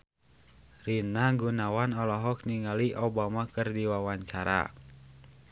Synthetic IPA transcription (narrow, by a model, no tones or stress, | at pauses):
rinaɡunawanɔlɔɦɔk̚niŋaliʔobamakɨrdiwawaɲt͡ʃaɾa̰